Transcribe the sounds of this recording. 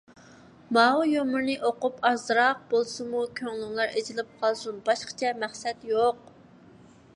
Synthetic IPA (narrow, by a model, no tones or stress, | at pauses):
mɑujomʊɾnɨʔoqupɑzɨɾɑq̚b̥olˠsɨmukʲʰøŋlyŋlˠɑɾed͡ʒilɪp̚qʰɑlˠsunbɑʃqɑ̥t͡ʃʰɛmæχsɛt̪joq̚